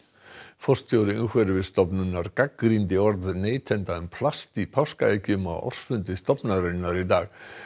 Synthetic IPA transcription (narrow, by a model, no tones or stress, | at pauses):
fɔr̥st̪ʰjowɾɪʏnkvɛɾɪvɪðst̪ɔpnʏnːaɾkakːɾint̪ɪɔɾðneːjt̪ʰɛnt̪aʏmpʰlast̪ipʰawskaejcʏma̰ðɔ̰r̥sfʏnt̪ɪst̪ɔpnaɾœnnːaɾit̪aːɣ